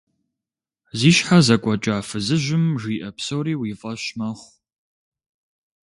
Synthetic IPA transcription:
ziːʃħazɐkʷʼɔt͡ʃʼaːfɨzɨʒʷɪmʒiːʔɐpsowɾiːwiːfʼɐɕmɐχʷ

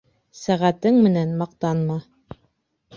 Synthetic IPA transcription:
sæʁæt̪ɘŋmɘ̆nænmɑq̚t̪ɑnmɑ

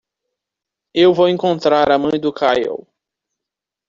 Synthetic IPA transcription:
ewvowẽŋkõnt̪ɾaɾɐmɐ̃j̃d̪ʊkʰajo̰w

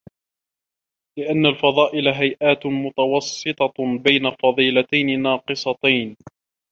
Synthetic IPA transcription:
lɪʔanːalfɑðˤɑːʔɪlaɦajʔaːt̪mʊt̪ɑwɑsˤːɨt̪ˤɑbajnafɑðˤiːlat̪ajnɪnɑːqɨsˤɑt̪ajn

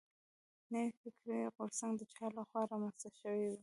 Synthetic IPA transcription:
nəwifɪkɾiɣʊɾsaŋɡd̪ət͡ʃɑɾlaxwɑɾɑmanst̪aʃəwiwi

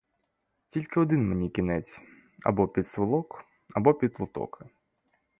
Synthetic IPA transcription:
tʲilʲkɪɔd̪ɪnmenʲikʲinɛt͡sʲ | ɐ̰bɔpʲid̪sʋɪlˠɔk | ɐbɔpʲid̪lˠʊt̪ɔ̰kʰɪ

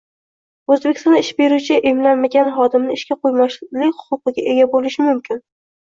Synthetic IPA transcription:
ɵzbekʲɪ̥sɒnɪʃbe̞ɾut͡ʃʰɪʔemlanmaɡʲanχɒd̪ɪmnɪɪʃkʲaqʰojmalɪkʲhʊ̥qʊqɨɡʲaʔe̞ɡʲabolɪʃɪmʊmkʲɪn

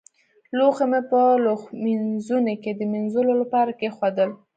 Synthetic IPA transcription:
loxamepəloxminzunoked̪əminzulolapɑɾakexwad̪əl

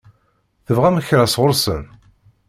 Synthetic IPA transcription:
θəvʁæməçɾæsʁʊɾsən

